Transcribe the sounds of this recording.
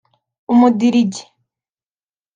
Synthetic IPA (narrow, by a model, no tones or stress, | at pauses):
umudiɾiɟe̥